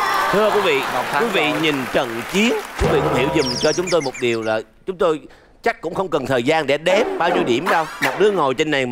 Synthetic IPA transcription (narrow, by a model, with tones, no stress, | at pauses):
t̪ʰɨ˧əkwi˨˦˥vḭ˧˨wi˨˦vḭ˧˨ɲi˨˩nt͡ɕə̰˧˨nt͡ɕi˨˦ənt͡ɕʊ˨˦vḭ˧˨kʊ̰˧˥ŋ͡mhi˧˩əwzʊ˨˩ŋ͡mt͡ɕɔ˧t͡ɕʊ˨˦ŋ͡mt̪o˧jmo˨˩t̚ɗi˨˩əwlaː˨˩t͡ɕʊ˨˦ŋ͡mt̪o˧j | t͡ɕa˦˥k̚kːʊ̰˧˥ŋ͡mxə˧wŋ͡mkə˨˩nt̪ʰəː˨˩jzaː˧nɗe˧˩ɗɛ˨˦p̚ɓaː˧wɲi˧wɗi˧˩əmɗə˧wma˨˩k͡p̚ɗɨ˨˦əŋo˨˩jt͡ɕe˧nːa˨˩j